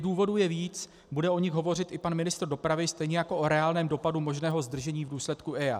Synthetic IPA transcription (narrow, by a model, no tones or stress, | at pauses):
duːvo̞dujɛviːt͡s | budɛʔo̞ɲɪxɦo̞vo̞r̝ɪt̪ʔɪpanmɪnɪst̪r̩do̞pɾavɪst̪ɛjɲɛjako̞ʔoɾɛaːlnɛːmdo̞padumo̞ʒnɛːɦo̞zd̪r̩ʒɛɲiːvduːslɛt̪kuʔɛa̰